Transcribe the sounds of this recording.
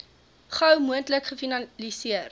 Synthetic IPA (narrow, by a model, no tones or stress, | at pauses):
χɐwmuəntləkχəfinɐlisiər